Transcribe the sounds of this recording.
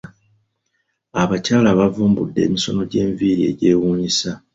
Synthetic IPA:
aβacaːlaβavuːmbṵdːe̞̰ːmiso̞no̞ɟe̞ːɱviːɾie̞̰ɟe̞ːwuːɲisa

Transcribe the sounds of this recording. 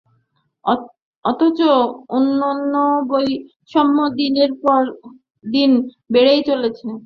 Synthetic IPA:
ɔt̪ʰot͡ɕoonːonːoboj | ʃɔmːod̪ineɾpɔɾ | d̪in | beɽejt͡ɕolet͡ɕʰe

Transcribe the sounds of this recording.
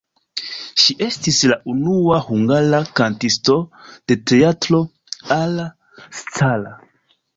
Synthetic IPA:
ʃiʔe̞stislaʔunuahuŋɡaɾakantisto̞d̥e̞te̞atlo̞ | ala | st͡sala

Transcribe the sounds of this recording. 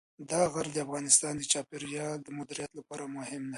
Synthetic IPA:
d̪ɑɣaɾd̪əafɣɑnɪst̪ɑnd̪ət͡ʃɑpɪɾjɑld̪əmʊd̪ɪɾijat̪lapɑɾamʊhɪmna

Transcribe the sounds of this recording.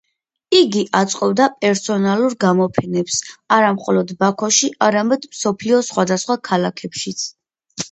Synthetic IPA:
iɡiʔat̪sʼqʼɔbd̪apʼɛɾsɔnalˠuɾɡamɔpʰɛnɛpsaɾamχɔlɔd̪bakʰɔʃiʔaɾamɛd̪̥msɔpʰliɔsχwad̪asχwakʰalakʰɛpʃit̪sʰ

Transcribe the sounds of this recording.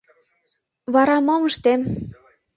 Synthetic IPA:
βɑɾɑmɑməʃt̪em

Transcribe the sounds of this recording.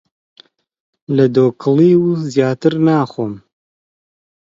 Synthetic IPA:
lɨd̪oːkʰɨliːwzjaːt̪ɨɾnaːxom

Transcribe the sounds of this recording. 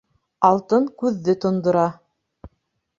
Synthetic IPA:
ɑlˠt̪ɤŋkʉðːɘt̪ŏnd̪ŏɾɑ

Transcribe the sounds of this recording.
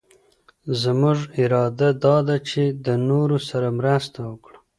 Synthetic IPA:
zmʊʐɪɾɑd̪ad̪ɑd̪at͡ʃed̪ənoɾosaɾamɾast̪awəkɽa

